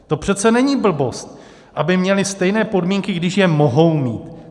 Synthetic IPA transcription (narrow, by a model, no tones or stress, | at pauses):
t̪o̞pr̝̥ɛt̪t͡sɛnɛɲiːbl̩bo̞st̪̚ | ʔabɪmɲɛlɪst̪ɛjnɛːpo̞dmiːŋkɪɡdɪʃjɛmo̞ɦo̞wmiːt̪